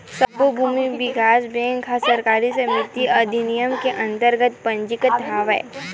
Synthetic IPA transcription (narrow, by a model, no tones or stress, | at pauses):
səbobʱuːmiʋɪkaːsbɛ̃ːŋkʰɦasəɾkaːɾisəmɪt̪iɐd̪ʱinijəmkeʔɐ̃nt̪əɾɡət̪pɐ̃ɲd͡ʒɪkət̪ɦaːʋɛ̰ː